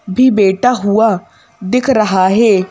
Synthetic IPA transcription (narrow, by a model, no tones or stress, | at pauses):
bʱiːbeːʈaɦʊa | d̪ɪkʰɾəɦaɦeː